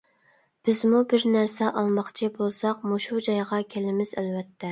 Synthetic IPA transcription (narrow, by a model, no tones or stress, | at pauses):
b̥ɪzmubɪɾnæɾsɛʔɑlˠmɑχt͡ʃʰibolˠsɑqmuʃud͡ʒɑjʁɑkʲʰelɪmɪzælvɛt̪ʰːɛ